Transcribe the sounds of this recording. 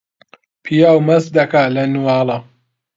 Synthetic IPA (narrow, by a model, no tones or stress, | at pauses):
pʰijaːwmɐzd̪ɐkaːlɐnuwaːlɐ